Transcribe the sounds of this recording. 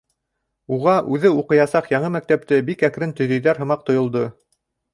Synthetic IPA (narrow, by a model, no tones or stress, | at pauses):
uʁɑʔʉðɘuqɤ̆jɑsɑqjɑɴɤmæk̚t̪æp̚t̪ɘbikækɾɘnt̪ɵ̆jðɵ̆jðæɾɦɤ̆mɑq̚t̪ŏjŏlˠd̪ɤ